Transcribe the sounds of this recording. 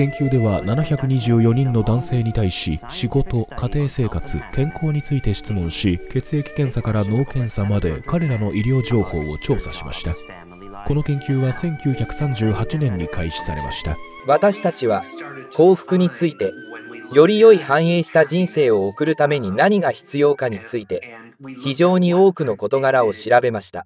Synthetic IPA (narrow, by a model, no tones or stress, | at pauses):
kẽ̞ŋkʲɨːd̪e̞βananaçakɯ̟ɲ̟iʑɨːjo̞ɲ̟ĩnːo̞d̪ãɰ̃se̞ːɲ̟it̪aiɕḭɕiɡo̞t̪o̞kat̪e̞ːse̞ːkat͡sɨ̰kʰẽ̞ŋkʰo̞ːɲ̟it͡sɨit̪e̞ɕi̥t͡sɨmõ̞ɰ̃ɕike̞t͡sɨe̞kʲi̥kẽ̞ɰ̃sakaɾano̞ːkẽ̞ɰ̃samad̪e̞̰kaɾe̞ɾano̞ʔiɾʲjo̞ːd͡ʑo̞ːho̞̰ːo̞̰t͡ɕo̞ːsaɕima̰ɕi̥t̪a | ko̞no̞kẽ̞ŋkʲɨːβasẽ̞ŋkʲɨːçakɯ̟̥sãɲ̟d͡ʑɨːhat͡ɕinẽ̞ɲ̟ːikʰaiɕi̥sa̰ɾe̞̰ma̰ɕi̥t̪a̰ | βat̪aɕi̥t̪at͡ɕiβ̞ako̞ːɸɯ̟̥kɯ̟ɲ̟it͡sɨit̪e̞ | jo̞ɾʲijo̞ihãɰ̃e̞ːɕi̥t̪aʑĩɰ̃se̞ːo̞ːkɯ̟ɾɯ̟t̪ame̞ɲ̟inaɲ̟iɡaçi̥t͡sɨjo̞ːkaɲ̟it͡sɨit̪e̞ | çiʑo̞ːɲ̟io̞ːkɯ̟no̞ko̞t̪o̞ɡaɾao̞ɕiɾabe̞maɕi̥t̪a̰